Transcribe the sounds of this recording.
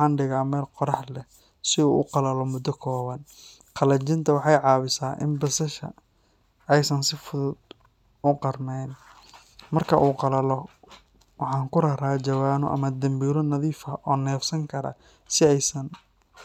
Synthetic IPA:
ɑːnɖɪɣaːmɛːlqɔɾɑħlɛ | sɪṵːʔʊ̰qɑlɐlɔmʊd̪ːɔkʰɔːβɐn | qʰɑlɐt͡ʃɪnt̪ʰɐwɑħɑjʕɑːβɪsaːʔɪ̰nbɐsɐʃɐ̰ | ɛjsɐnsɪfʊðʊd̪̚ | ʊqɑrmɛjn | mɐrkʰɐʔuːqɑlɐlɔ | wɑħɑːŋkʊɾɐɾaːt͡ʃɐwaːnʊʔɐ̰mɐd̪ɐmbiːɾɔnɐðiːfɐʔɔːnɛːfsɐŋkʰɐɾɐ̰ | sɪɛjsɐn

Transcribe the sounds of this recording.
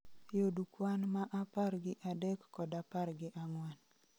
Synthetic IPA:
jodukwanmaʔaparɡɪʔadɛkːɔdaparɡɪʔaŋwɛn

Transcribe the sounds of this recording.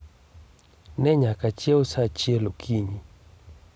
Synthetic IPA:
nɛɲakat͡ʃjɛɔsat͡ʃɛlokʰiɲi

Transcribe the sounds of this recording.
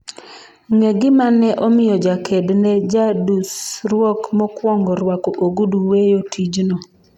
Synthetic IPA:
ŋeɡɪmanɛʔɔmɪjɔd͡ʒakʰɛdnɛd͡ʒadusɾwɔkmɔkwɔŋɡɔɾwakɔʔoɡuduwejotʰid͡ʒnɔ

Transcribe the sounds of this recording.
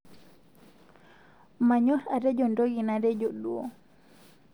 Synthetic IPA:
maɲɔɾaɾɛd͡ʒɔndoɡinaɾɛd͡ʒoɗuɔ

